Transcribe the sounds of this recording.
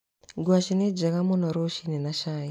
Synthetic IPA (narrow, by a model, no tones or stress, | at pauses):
ɡwaʃined͡ʒakamonɔɾoʃinenaʃaːji